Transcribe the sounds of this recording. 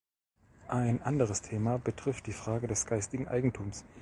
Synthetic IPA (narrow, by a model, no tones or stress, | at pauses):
ʔaɪnʔandəʁ̞əstʰeːmabətʁ̥ɪft̚d̥iːfʁ̥aːɡədɛsɡ̥aɪstɪɡŋ̩ʔa̰ɪɡŋ̩tʰuːms